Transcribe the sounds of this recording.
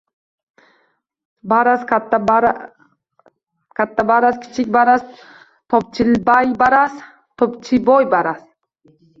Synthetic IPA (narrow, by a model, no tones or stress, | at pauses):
baɾaskat̪ʰːaɾ | kʰʲat̪ʰːabaɾaskʲʰɪ̥t͡ʃʰɪkʲbaɾas | t̪ʰɒp̚t͡ʃʰɪlbajbaɾas | t̪ʰɒpt͡ʃʰɪbɔjbaɾas